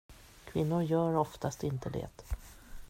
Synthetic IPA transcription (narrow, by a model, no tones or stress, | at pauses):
kʰvɪnːʊɾjœːɾɔft̪ast̪ɪnt̪əd̪ɛ̰ːt̪